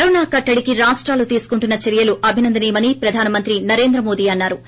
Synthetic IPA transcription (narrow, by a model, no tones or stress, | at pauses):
ɐnaːkɐʈːɐɽikiɾaːʂʈɾaːlut̪iːsu̥kuɳʈunːɐt͡ʃɐɾijɐluʔɐbʱinɐnd̪ɐniːmɐnipɾɐd̪ʱaːnɐmɐnt̪ɾinɐɾe̞ːnd̪ɾɐmo̞ːd̪iːɐnːaːɾu